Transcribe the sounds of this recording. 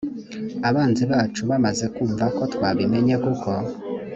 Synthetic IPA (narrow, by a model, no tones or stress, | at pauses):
aβaːnziβaːt͡ʃuβamaze̞kuːɱvako̞twaβime̞ɲekukʰo